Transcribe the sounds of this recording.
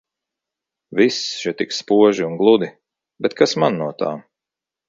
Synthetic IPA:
visʃit̪ikspuɔʒiunɡlˠud̪i | bɛt̪kʰasmanːuɔt̪a̰ːm

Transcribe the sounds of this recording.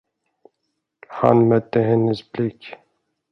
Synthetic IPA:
ha̰nmœt̪ːəɦɛnːəsblɪkː

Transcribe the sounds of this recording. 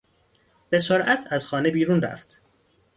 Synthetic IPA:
b̥e̞soɾʔæt̪ʰæzxɒːne̞biːɾuːnɾæ̰ft̪

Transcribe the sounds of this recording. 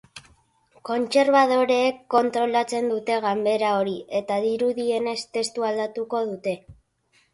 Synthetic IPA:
ko̞nt͡se̞ɾβað̞o̞ɾe̞ːkːo̞nt̪ɾo̞lat͡se̞nd̪ut̪e̞ɣambe̞ɾao̞ɾie̞t̪aðiɾuðie̞ne̞st̪e̞st̪uald̪at̪uko̞ðut̪e̞

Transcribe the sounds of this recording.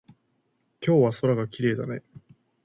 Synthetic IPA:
kʲo̞ːβaso̞ɾaɡakʲiɾe̞ːd̪anai

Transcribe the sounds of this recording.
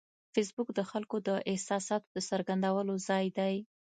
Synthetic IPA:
fɪs̬bʊkd̪əxalkod̪əʔɪhsɑsɑt̪od̪əsəɾɡand̪awəlozɑjd̪aj

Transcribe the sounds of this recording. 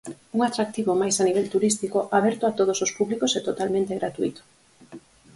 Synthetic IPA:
uŋat̪ɾak̚t̪iβomajsaniβ̞ɛlt̪uɾist̪ikoʔaβ̞ɛɾt̪oat̪oð̞osospuβlikosɛt̪ot̪almẽnt̪eɣɾat̪uit̪o̥

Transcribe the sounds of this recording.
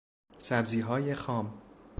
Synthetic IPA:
sæbziːɦɒːjexɒːm

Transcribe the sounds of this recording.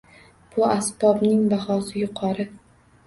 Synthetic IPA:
b̥ʊasb̥ɒbnɪŋbahɒsɪjʊqʰɒɾɪ

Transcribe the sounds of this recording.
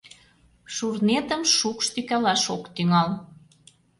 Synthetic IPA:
ʃurnet̪əmʃukʃt̪ykælɑʃokt̪yŋɑl

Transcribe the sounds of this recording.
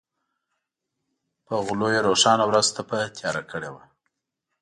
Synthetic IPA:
pəɣʊlojeɾoʂɑnawɾazt̪apət̪ʰjɑɾakəɽewa

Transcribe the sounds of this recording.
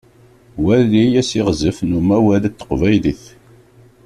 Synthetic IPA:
wælːijæsiʁzəfnumæwælæt̪ːə̥qvæjliθ

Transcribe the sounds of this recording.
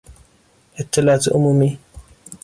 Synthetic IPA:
ʔɪt̪ːɪlaːt̪ʔʊmʊmi

